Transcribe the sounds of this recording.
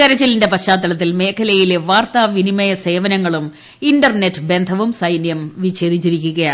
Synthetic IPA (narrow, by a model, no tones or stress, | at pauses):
keɾɐt͡ɕːɐlinde̞pɐɕaːt̪ːɐɭɐt̪ːilme̞ːkʰɐlɐjile̞ʋaːrt̪aʋinimɐjɐse̞ːʋɐnɐŋːɐɭum | indɐrne̞tːɨbe̞nd̪ʱɐʋumsɐjnjɐmʋiɕʰeːd̪it͡ɕːiɾikʲːuɣɐjaː